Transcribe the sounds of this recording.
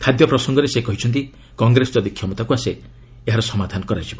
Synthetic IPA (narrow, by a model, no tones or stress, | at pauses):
kʰad̪jɔpɾɔsɔŋɡɔɾesekɔɦit͡ʃʰɔnt̪i | kɔŋɡɾesɔt̪ad̪ikʰːiɔmɔt̪akuase | eɦaɾɔsɔmad̪ʱanɔkɔɾajt͡ʃʰibɔ